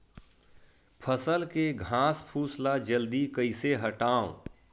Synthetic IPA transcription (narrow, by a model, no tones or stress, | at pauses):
pʰəsəlkeɡʱãːspʰuːslad͡ʒəld̪ikəɪseɦəʈaːõ̰